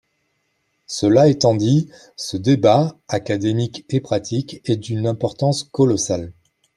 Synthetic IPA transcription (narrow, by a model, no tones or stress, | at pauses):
səlaet̪ɑ̃d̪i | səd̪ebaakad̪emikepχat̪ʰikɛd̪ynɛ̃pɔʁt̪ɑ̃skɔlɔsal